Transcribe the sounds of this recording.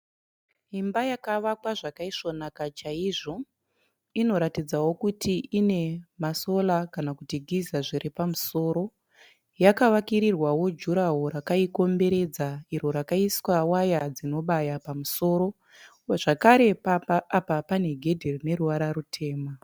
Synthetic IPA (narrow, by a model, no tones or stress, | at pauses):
ɦimbajakaʋakwaʐakaiʂo̞nakat͡ʃaiʐo̞ | ino̞ɾatid͡zawokutʰiʔine̞maso̞lakanakutiɡʱizaʐiripamuso̞ːɾo̞ | jakaʋakiɾirwawo̞d͡ʒuɾaɦoɾakaiko̞mbe̞ɾe̞d͡zaiɾo̞ɾakaiswawajad͡zino̞ɓajapamuso̞ːɾo̞ | ʐ̥akaɾe̞apapane̞ɡʱe̞dʱerine̞ɾuʋaɾarutʰe̞ːma